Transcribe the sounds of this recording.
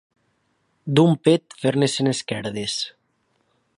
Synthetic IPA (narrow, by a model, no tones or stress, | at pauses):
d̪umpet̪feɾneseneskɛɾðes